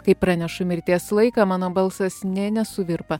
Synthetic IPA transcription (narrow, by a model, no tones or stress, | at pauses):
kɐɪpːɾɑːnʲɛʃʊmʲɪɾʲt̪ʲiɛslˠɐɪkɑːmɑːnoːbɐlˠsɐsnʲɛnʲɛsʊʋʲɪɾpɐ